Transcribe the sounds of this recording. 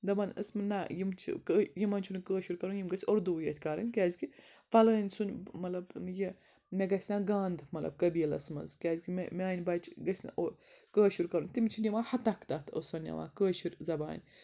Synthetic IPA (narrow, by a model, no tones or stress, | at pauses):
d̪ɐmɐnʲə̰smɨnːajimt͡ʃʰḭkəjimɐnt͡ʃʰunkəːʃuɾkɐɾunjimɡɐsʲoɾd̪uːjet̪ʲkɐɾɨ̰nʲkʲaːzʲɡifɐləːnʲsunʲmɐlɐbji | mʲeɡɐsʲnaɡaːnd̪mɐlɐ̰b̚kɐbʲiːlɐ̰smɐ̰zkʲaːzʲɡimmʲaːnʲbɐt͡ʃʰɡɐsʲʔokəːʃuɾʲkɐɾunʲt̪imt͡ʃʰinʲimahɐt̪ɐkʰt̪ɐt̪ʰə̰sɐnːʲɐ̰ʋa̰kəːʃiɾʲzɐba̰ːnʲ